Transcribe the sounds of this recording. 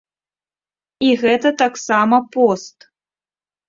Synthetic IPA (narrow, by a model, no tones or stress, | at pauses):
iɣɛt̪ɐt̪aksamɐpost̪